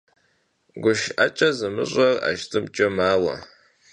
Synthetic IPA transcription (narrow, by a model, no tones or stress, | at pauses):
ɡʷʊʃat͡ʃʼɐzɨmɨ̰ɕʷʼɐra̰ʃtʰʼɨmt͡ʃʼɐmaːwɐ̰